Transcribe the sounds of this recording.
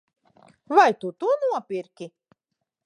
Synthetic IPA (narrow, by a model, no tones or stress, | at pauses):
vajt̪ut̪unuɔpʲiɾkʲi